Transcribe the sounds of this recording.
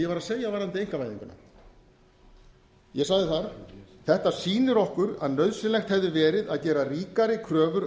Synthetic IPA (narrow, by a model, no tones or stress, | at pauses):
jɛvaɾaðsejavajɾðant̪ɪejŋ̥kavajðḭŋkʏna̰ | jɛsaɣðɪθaɾθɛht̪asiːnʏɾɔhkʏɾa̰ðnœɥðsɪnlɛxt̪hɛvðʏvɛːɾɪðaðcɛːɾariːkaɾɪkʰɾœːvʏɾ